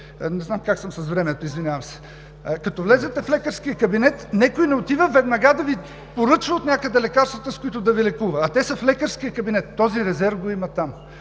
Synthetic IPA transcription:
nɛznamkaksəmsɐsvɾɛmɛt̪oizvinʲjavɐmsɛ̥ | kɐt̪ɔvlɛzɛt̪ɛflɛkəɾskijəkɐbinɛt̪nɛkojnɛot̪ivəvɛd̪nɐɡad̪ɐvi | poɾɤt͡ʃvəot̪nʲakəd̪ɛlɛkaɾst̪vɐt̪əskʊit̪ʊd̪ɐvilɛkuvɐːt̪ɛsɐflɛkəɾskijəkɐbinɛt̪ːɔziɾɛzɛɾvɡoimɐt̪am

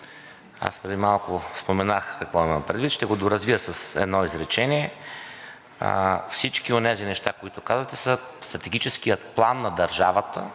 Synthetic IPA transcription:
a̰spɾɛd̪imalˠkʊspomɛnaxkɐkvɔiməmpɾɛd̪vit̪ʃt̪ɛɡod̪oɾɐzvijəsəsɛ̰d̪nɔizɾɛt͡ʃɛniɛ | fsit͡ʃkionɛzinɛʃt̪akoit̪ʊkazvət̪ɛsəst̪ɾɐt̪ɛɡit͡ʃɛskijət̪plˠanːɐd̪ɐɾʒavət̪ə

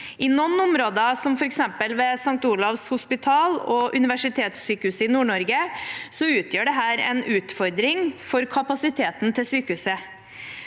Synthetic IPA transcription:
ɪnɔnːʊmɾoːd̪əsɔmfɔɾɛksɛmpəlʋɛsɑŋt̪uːlɑʋshʊspɪt̪ʰɑːlɔʔʉnɪʋæʂɪt̪ʰeːt̪syːkəʉːsəɪnuːɳɔɾɡəsɔʉːt̪ʰjøːɖɛɦæːɾɛ̰nʉːt̪fɔɾd̪ɾɪŋfɔɾkʰɑpɑsɪt̪ʰeːt̪nt̪ʰɪlsyːkəhʉːsə

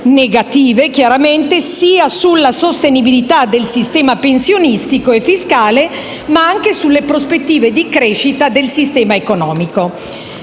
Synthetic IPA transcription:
neɡat̪iːvek̟jaɾament̪esiːasulːasost̪enibilit̪ad̪elsist̪ɛːmapensjonist̪ikoefːiskaːle | maaŋk̟esulːepɾospet̪ːiːved̪ikɾeːʃit̪ad̪elsist̪ɛːmaekonɔːmiko

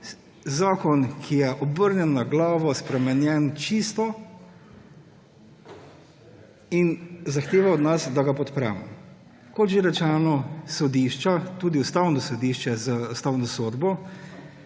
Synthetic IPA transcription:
zaːkɔnkʰijɛʔɔbəɾnjɛnːaɡlaːʋɔspɾɛmɛnjɛnt͡ʃist̪ɔ | inzaxt̪eːʋaɔd̪nasd̪aɡapɔt̪pɾɛ̰ːmɔ | kɔt̪ʒeɾɛt͡ʃɛːnɔsɔd̪iʃt͡ʃat̪uːd̪iust̪awnɔsɔd̪iːʃt͡ʃɛzaust̪aːwnɔsoːd̪bɔ

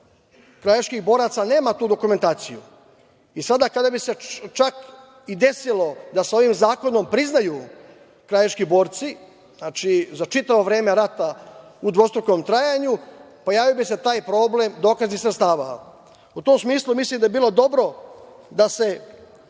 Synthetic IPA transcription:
kɾajaʃkixbo̞ːɾat̪sane̞ːmat̪uːd̪o̞kume̞nt̪aːt̪sijṵ | isad̪akad̪abiset͡ʃak | id̪e̞silo̞d̪asao̞ʋimzaːko̞no̞mpɾiznaju | kɾajaʃkibo̞ːɾt̪si | znaːt͡ʃizat͡ʃit̪aʋo̞ʋɾe̞ːme̞ɾat̪aud̪ʋo̞st̪ɾokomt̪ɾajaɲu | po̞jaːʋijobise̞t̪aːjpɾo̞ːble̞md̪o̞ːkaznixsɾet̪st̪aːʋa̰ | ut̪o̞ːmsmiːslˠumislimd̪ajebiːlˠo̞d̪o̞bɾo̞ | d̪ase̞

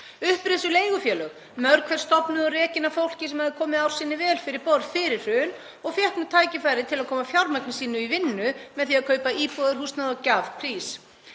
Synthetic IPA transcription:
ʏhpɾɪsʏleːjɣʏfjɛːlʏɣ | mœɾkʰvɛr̥st̪ɔpnʏðɔrɛːcɪnːafowl̥cɪsɛmhaðɪkʰɔːmɪaːwr̥sɪːnːɪvɛːlfɪɾɪɾpɔɾfɪɾɪɾ̥ːʏːn | ɔɣfjɛhknʏt̪ʰaːjcɪfajɾɪt̪ʰɪlaðkʰɔːmafjawɾmaknɪsiːnʏivɪnːʏmɛðθiaðkʰœːɥpaiːpɔðʏɾ̥hust̪naðɔcavpʰɾiːs

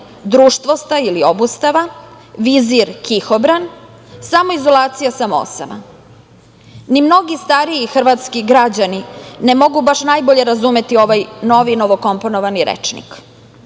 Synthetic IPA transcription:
d̪ɾuːʃt̪ʋo̞st̪ailio̞bust̪aʋa | ʋiziɾkʰixobɾan | samo̞izo̞lˠaːt̪sijasamoo̰sama̰ | nimno̞ɡist̪aɾiixr̩ʋat̪skiɡɾad͡ʑaninemo̞ɡubaʃnajbo̞ʎe̞ɾazume̞t̪io̞ʋajno̞ʋino̞ʋo̞ko̞mpo̞noʋaniɾḛt͡ʃnḭk

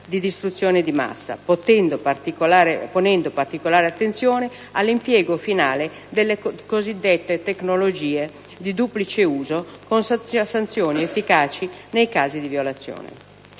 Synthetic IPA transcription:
d̪id̪ist̪ɾut̪sːjoːned̪ima̰sːa̰pot̪ɛnd̪opt̪ikolaːɾeponɛnd̪opart̪ikolaːɾeat̪ːent̪sjoːne | alːimpjɛːɡofinaːle | d̪elːekozid̪ːet̪ːet̪eknolod͡ʒiːe | d̪id̪uplit͡ʃeuːzokonssant̪sjoːniefːikaːt͡ʃinejkaːzid̪ivjolat̪sːjo̰ːnḛ

